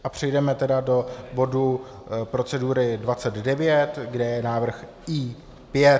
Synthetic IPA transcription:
ʔapr̝̥ɛjdɛmɛt̪ɛdado̞bo̞du | pɾo̞t͡sɛduːɾɪdvat͡sɛd̪dɛvjɛt̪ɡdɛjɛnaːvr̩x | iː | pjɛ

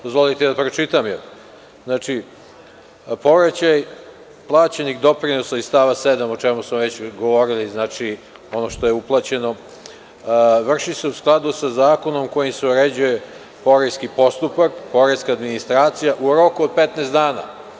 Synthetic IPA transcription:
d̪ozʋolit̪ed̪apɾot͡ʃit̪amjel | znaːt͡ʃi | po̞ʋɾat͡ɕaj | plˠaːt͡ɕenixd̪o̞pɾinosaist̪aʋased̪amot͡ʃemusmoʋe̞t͡ɕɡo̞ʋo̞ɾiliznat͡ʃi | o̞no̞ʃt̪o̞je̞uplˠat͡ɕe̞no̞ | ʋr̩ʃise̞usklˠad̪usazaːko̞no̞mko̞jimseoɾed͡ʑuje̞ | po̞ɾeskipo̞st̪upakpo̞ɾeskaːd̪minist̪ɾaːt̪sijaʔuɾo̞kuod̪̚pet̪neːst̪d̪aːna̰

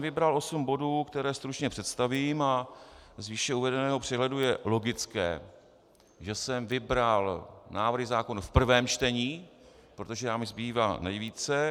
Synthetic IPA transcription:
vɪbɾalo̞sumbo̞duːkt̪ɛɾɛːst̪ɾut͡ʃɲɛpr̝̥ɛt̪st̪avimazviːʃɛuvɛdɛnɛːɦopr̝̥ɛɦlɛdujɛlo̞ɡɪt͡skɛ̰ː | ʒɛsɛmvɪbɾalnaːvr̩ɦɪzaːko̞nufpr̩vɛːmt͡ʃt̪ɛɲiː | pɾo̞t̪o̞ʒɛjaːmɪzbiːvaːnɛjviːt͡sɛ

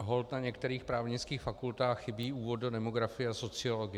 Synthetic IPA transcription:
ɦo̞lt̪naɲɛkt̪ɛɾiːxpɾaːvɲɪt͡skiːxfakult̪aːxxːɪbiːʔuːvo̞t̪dodɛmoɡɾafɪjɛaso̞t͡sɪoloɡɪ

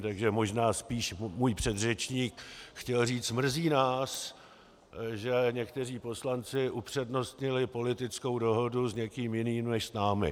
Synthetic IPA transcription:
t̪aɡʒɛmo̞ʒnaːspiːʃmuːjpr̝̥ɛd̪rɛt͡ʃɲiːkxcɛlriːt͡smr̩ziːnaːs | ʒɛɲɛkt̪ɛriːpo̞slant͡sɪʔupr̝̥ɛdno̞st̪ɲɪlɪpo̞lɪt̪ɪt͡sko̞wdo̞ɦo̞duzɲɛkiːmjɪniːmnɛʃsnaːmɪ̰

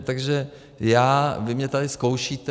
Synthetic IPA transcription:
t̪aɡʒɛ | jaːvɪmɲɛt̪adɪskowʃiːt̪

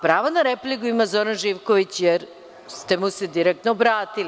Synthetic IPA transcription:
pɾaːʋonaɾeplikuimazoɾanʒiʋkoʋit͡ɕjeɾ | st̪e̞mused̪iɾek̚t̪nobɾaːt̪ili

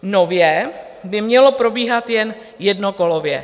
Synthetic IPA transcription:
novjɛ | bɪmɲɛlopɾobiːɦat̪jɛn | jɛdnokolovjɛ̰

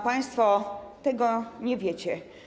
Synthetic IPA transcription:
paj̃st̪fɔt̪ɛɡɔɲɛvʲjet͡ɕɛ

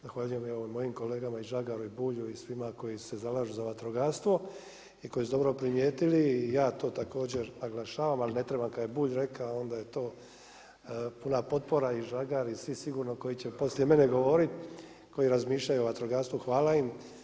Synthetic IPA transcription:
zaxʋaːʎujemoomo̞jimko̞leːɡamaiʒaɡaɾuibuːʎuisʋimako̞jisse̞zalaːʒuzaʋat̪ɾoɡaːst̪ʋo̞ | iko̞jisud̪o̞bɾo̞pɾimjeːt̪iliːjaːt̪o̞ːt̪ako̞ːd͡ʑe̞ɾnaɡlaʃaːʋamaline̞t̪ɾe̞bamkad̪jebuːʎɾe̞kao̞nd̪aje̞t̪o̞ː | punapo̞t̪̚po̞ɾaiʒaɡaɾisʋisiɡuːɾno̞ko̞jit͡ɕe̞po̞slje̞me̞neɡo̞ʋo̞ɾit̪ | ko̞iɾazmiːʃʎajuʋat̪ɾoɡaːɾst̪uxʋaːlaim

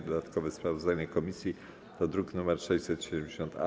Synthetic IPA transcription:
d̪ɔd̪at̪kɔvɛspɾavɔzd̪aɲɛkɔmʲisʲji | t̪ɔd̪ɾuknumɛɾʂɛɕt͡ɕsɛt̪ɕɛd̪ɛmd͡ʑeɕɔnt̪a̰

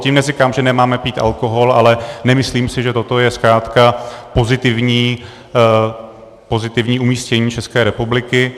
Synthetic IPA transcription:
ciːmnɛzɪkaːmʒɛnɛmaːmɛpiːt̪ʔa̰lko̞ɦo̞lalɛnɛmɪsliːmsɪʒɛt̪o̞t̪o̞jɛskɾaːt̪kapo̞zɪt̪ɪvɲiː | po̞zɪt̪ɪvɲiːʔumiːscɛɲiːt͡ʃɛskɛːɾɛpublɪkɪ

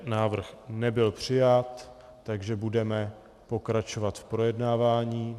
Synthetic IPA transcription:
naːvr̩xnɛbɪlpr̝̥ɪjat̪ː | aɡʒɛbudɛmɛ | po̞kɾat͡ʃo̞vat̪fpɾojɛdnaːvaːɲiː

